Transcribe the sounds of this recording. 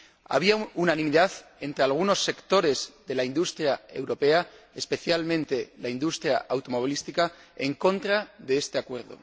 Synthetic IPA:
a̰β̞iaunanĩmiðaθe̞nt̪ɾe̞alɣ̞uno̞sːe̞kt̪o̞ɾe̞zðe̞laind̪ust̪ɾjae̞wɾo̞pe̞a | espe̞θjalmẽ̞nt̪e̞laind̪ust̪ɾjaʔawt̪o̞mo̞β̞ilist̪ikaeŋkõ̞nt̪ɾaðe̞est̪e̞akwe̞ɾðo̞̰

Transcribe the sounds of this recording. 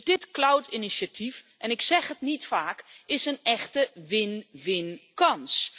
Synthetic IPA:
dɪtklawtiniʃatʰifʔɛnɪksɛxətnitfaːkɪsənɛxtəʋɪnʋɪnkɑns

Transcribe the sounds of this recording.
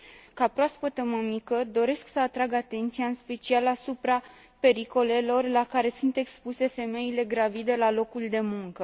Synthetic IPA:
kapɾoospət̪əməmikəd̪o̞ɾe̞sksəat̪ɾaɡat̪e̞nt̪sijaɨnspe̞t͡ʃialasupɾa | pe̞ɾiko̞le̞lo̞rlakaɾe̞sunt̪e̞kspuse̞fe̞me̞ile̞ɡɾavid̪e̞lalo̞kuld̪e̞muŋkə

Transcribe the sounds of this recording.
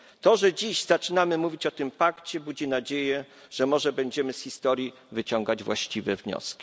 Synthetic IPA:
t̪ɔʐɛd͡ʑiʑzat͡ʂɘnamɘmuvʲit͡ɕɔt̪ɘmpakt͡ɕɛbud͡ʑinad͡ʑejɛ | ʐ̥ɛmɔʐɛbɛɲd͡ʑɛmɘsxʲist̪ɔɾʲji | vɘt͡ɕɔŋɡad͡ʑvwa̰ɕt͡ɕivɛvɲɔ̰skʲi̥

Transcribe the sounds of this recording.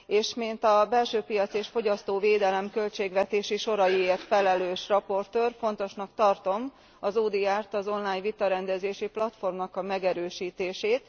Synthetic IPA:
eːʃmint̪ɒbɛlʃøːpijɒt̪sieːʃfo̞ɟɒst̪oːveːd̪ɛlɛmkø̞lt͡ʃeːɡʋɛt̪eːʃiʃo̞ɾɒjieːrt̪fɛlɛløːʃrɒpo̞rt̪øːrfo̞nt̪o̞ʃnɒkt̪ɒrt̪o̞m | ɒzuːd̪iaːrt̪ɒzo̞nlaːɲvit̪ɒɾɛnd̪ɛzeːʃiplɒt̪fo̞rmnɒkɒmɛɡɛɾøːʃiːt̪eːʃeːt̪

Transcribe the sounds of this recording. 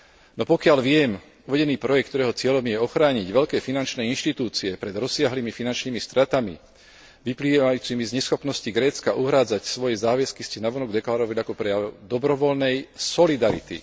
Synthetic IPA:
nɔpɔkɪalʋɪɛm | uʋɛɟɛniːpɾɔjɛkt̪ɔɾɛːɦɔt͡sɪɛʎɔmjɛɔxɾaːɲiɟʋɛʎkɛːfinant͡ʃnɛinʃt̪it̪uːt͡siɛpɾɛd̪ɾɔsɪaɦliːmifinant͡ʃniːmist̪ɾat̪amḭ | ʋipliːʋajuːt͡simizɲɛsxɔpnɔsciɡɾɛːt͡skaʔuɦɾaːd͡zacsʋɔjɛzaːʋɛskiscɛnaʋɔnɔɡd̪ɛklaɾɔʋaliakɔpɾɛjaʊd̪ɔbɾɔʋɔlnɛjsɔlid̪aɾḭt̪ḭ

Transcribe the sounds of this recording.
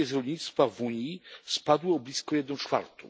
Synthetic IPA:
ɛzɾɔlʲɲit̪st̪favuɲispad̪wɘɔblʲiskɔjɛd̪nɔ̃wt͡ʂfa̰ɾt̪ɔ̰̃

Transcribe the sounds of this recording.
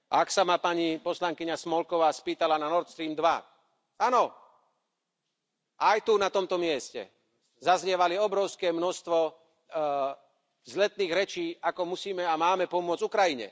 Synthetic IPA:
ʔaksamapaɲipɔslaŋkiɲasmɔlkɔʋaːspiːt̪alananɔɾt̪st̪ɾiːmd̪ʋa | anɔ | ʔajt̪unat̪ɔmt̪ɔmɪɛscɛ̰ | zazɲɛʋaliɔbɾɔʊskɛːmnɔst̪ʋɔ | zlɛt̪niːɣɾɛt͡ʃiːakɔmusiːmɛamaːmɛpɔmʊɔd͡zukɾajiɲɛ̰

